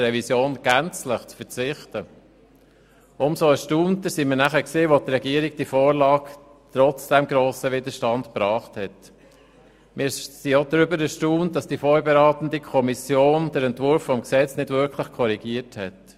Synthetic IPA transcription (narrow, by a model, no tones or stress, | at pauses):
ɾɛvisjoːnɡ̥ænt͡slɪχt͡sfəɾt͡sɪχtə | ʔʊmsoəʃtuːntəsimɪːɾnæχəksiːʋot̪ɾɛɡiːəɾiɡ̚d̥ifoːɾlɑːɡ | t̪ɾɔt͡sd̥ɛmɡɾoːsəʋɪd̪əʃtɑndpɾɑːχthɛt | mɪɾsiod̪ɾʏbəɾəʃtuːntːɑsd̥ifɔɾbɛɾɑːt̪ən̩dikʰɔmisjoːnd̥ɛɾɛntvʊɾfːɔmksɛt͡snɪdvʏɾkʰlɪχkʰɔɾiɡiəthɛt